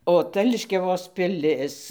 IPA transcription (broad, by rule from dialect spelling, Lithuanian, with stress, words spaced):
oː ˈtɐ lʲɪʃʲkʲɛˈʋoːs pʲɪˈlʲɪs